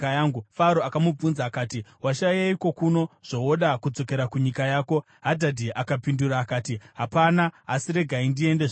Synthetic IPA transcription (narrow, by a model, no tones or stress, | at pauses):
ajaːŋɡufaɾoakamub͡vunzaːkaːtiwaʃajaiko̞kuno̞ʐ̥o̞oɗakud͡zo̞ke̞ɾakuɲikajaːko̞ | ɦadʱadʱiʔakapinduɾaːkaːtiɦapanaasiɾe̞ɡʱaindie̞ndeʐ